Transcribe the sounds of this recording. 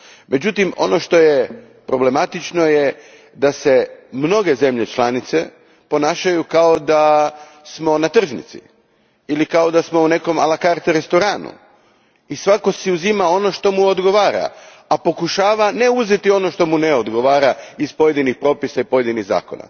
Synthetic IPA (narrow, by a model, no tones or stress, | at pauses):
mʔe̞d͡ʑut̪imo̞̰no̞ʃt̪o̞je | pɾo̞ble̞mat̪it͡ʃno̞je | d̪ase̞mno̞ɡe̞ze̞mʎe̞t͡ʃlanit̪se̞ | po̞naːʃajukao̞d̪a | smo̞nat̪r̩ʒnḭt̪sḭ | ilikao̞d̪asmo̞une̞ko̞ma̰lakaɾt̪ɛɾe̞st̪o̞ɾaːnṵ | isʋako̞siuzimao̞no̞ʃt̪o̞muod̪ɡo̞ʋaːɾa̰ | apo̞kuʃaːʋane̞uze̞t̪io̞no̞ʃt̪o̞muneod̪ɡo̞ʋaːɾaizpo̞je̞d̪inixpɾo̞ːpisaipo̞je̞d̪iniɣza̰ːko̞̰na̰